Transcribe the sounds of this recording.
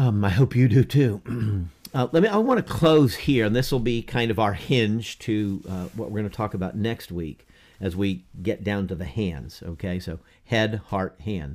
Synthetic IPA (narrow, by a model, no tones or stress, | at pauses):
ʌmaɪɦoʊpjɨdɨtʰʉ | ʌlɛt̚miaɪwwɑ̃ñɨkʰl̥oʊz̥hiɹɨ̃nðɪswəl̩ˠbikʰãɪ̃ndʌvaʊə˞hɪ̃nʒ̥tʰɨwʌʔ̚wʔɪɹɡʌ̃nɨtʰɔkəbaʊtⁿnɛkst̚wik | ɨzwiɡɛt̚d̥ãʊ̃ntɨðɨhæ̃nz̥o̰ʊkʰeɪsoʊ | hɛd̚hɑɹt̚hæ̃n